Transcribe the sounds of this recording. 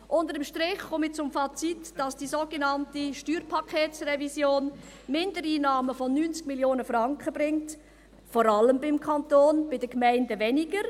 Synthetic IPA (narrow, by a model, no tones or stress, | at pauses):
ʔʊndədəmʃtɾɪχχomit͡sʊmfɑt͡sitd̥ɑsd̥iːsoɡ̥enɑntiʃtyːɾpʰɑkʰeːtsrɛvisjoːn | mɪndəɾiːnɑːməfɔnyːnt͡skmiljoːnəfrɑŋkχəb̥ɾɪŋt | fɔɾɑləmbɪmkʰɑntoːnb̥ɪdəkmæɪndəvɛniɡəɾ